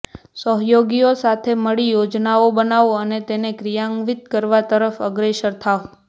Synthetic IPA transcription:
səɦjoɡiosat̪ʰeməɭijod͡ʒnaobənaʋoənet̪enekɾijaŋɡʋit̪kəɾʋat̪əɾəfəɡɾeʃəɾt̪ʰaʋ

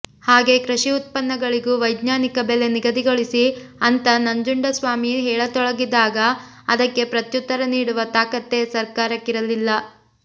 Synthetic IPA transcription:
haːɡe̞ːkɾɐʂiut̪̚pɐnːɐɡɐɭiɡuːʋɐjd̪ɲaːnikɐbele̞niɡɐd̪iɡoɭisiɐnt̪ɐnɐɲd͡ʒuɳɖɐsʋaːmiɦɛːɭɐt̪ɔɭɐɡid̪aːɡɐ | ɐd̪ɐkːe̞pɾɐt̪jut̪ːɐɾɐniːɽuʋɐt̪aːkɐt̪ːe̞sɐɾkaːɾɐkːiɾɐlilːɐ

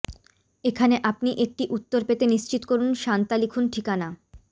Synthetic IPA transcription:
ekʰaneʔapniʔek̚ʈiʔut̪ːoɾpet̪eniʃt͡ɕit̪okoɾunʃant̪alikʰunʈʰikana

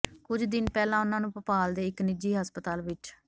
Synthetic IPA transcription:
kʊd͡ʒd̪ɪnpɛːlãːʊnãːnũːpəpaːld̪eːɪknɪd͡ʒiːɦəspət̪aːlʋɪt͡ʃ

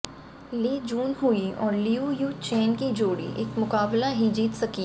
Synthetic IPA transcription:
liːd͡ʒuːnɦuiɔːɾliujuːt͡ʃeːnkid͡ʒoːɽḭʔeːkmʊkaːblaɦid͡ʒiːt̪sɐki

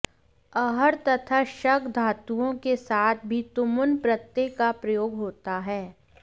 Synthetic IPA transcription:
ɐɦəɾt̪ɐt̪ʰaʃɐkd̪ʱaːt̪uõkesaːt̪ʰbʱit̪ʊmʊnpɾət̪ːeːkapɾɐjoːɡɦoːt̪aɦɛː

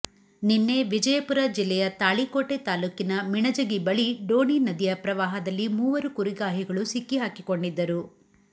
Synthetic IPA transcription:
ninːe̞ʋid͡ʒɐjɐpuɾɐd͡ʒilːɛjɐt̪aːɭikoːʈet̪aːluːkinɐmiɳɐd͡ʒɐɡibɐɭiɖoːninɐd̪ijɐpɾɐʋaːɦɐd̪ɐlːimuːʋɐɾukuɾiɡaːɦiɡɐɭusikːiɦaːkikoɳɖid̪ːɐɾu

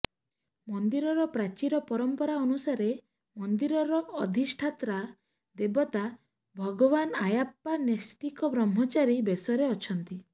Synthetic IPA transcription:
mɔnd̪iɾɔɾɔpɾat͡ʃiɾɔpɔɾɔmpɔɾaɔnusaɾe | mɔnd̪iɾɔɾɔːd̪ʱisʈʰat̪ɾa | d̪ebɔt̪a | bʱɔɡɔβanajapːanesʈikɔbɾɔmɦɔt͡ʃaɾibesɔɾeɔt͡ʃʰɔnt̪i

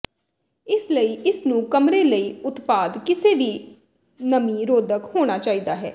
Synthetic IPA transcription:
ɪsləiːʔɪsnũːkəmɾeːləiːʊt̪paːd̪kɪseːʋiː | nəmĩːɾoːd̪əkhoːɽ̃aːt͡ʃaːiːd̪aːɦɛ̰ː

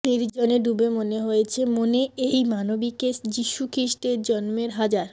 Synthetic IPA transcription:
niɾd͡ʑoneɖubemoneɦojet͡ɕʰemoneejmanobiked͡ʑiʃukɾiʃʈeɾd͡ʑɔnmeɾɦad͡ʑaɾ

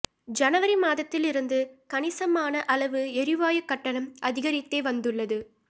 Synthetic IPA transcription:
d͡ʒɐnɐʋɐɾimaːðɐt̪ːɪlɪɾɯnd̪ɯkɐnɪsɐmaːnɐʔɐɭɐʋɯɛɾɪʋaːjɐkːɐʈːɐnɐmʔɐðɪɣɐɾɪt̪ːeːʋɐnd̪ɯɭːɐðɯ

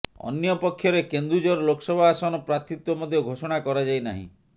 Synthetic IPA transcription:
ɔ̰njɔpɔkʰːjɔɾekend̪ɾud͡ʒɔɾɔlokɔ̥sɔbʱaːsɔnɔpɾat̪ʰit̪wɔmɔd̪ʱjɔɡʱosɔɽ̃akɔɾad͡ʒajna̰ɦḭ̃

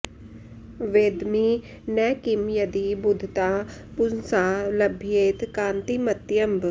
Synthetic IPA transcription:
ʋeːd̪mi | nɛːkimjɐd̪ibʊd̪ʱt̪aːpʊnsaːlɐbʱijeːt̪kãːnt̪imɐt̪jɐmb

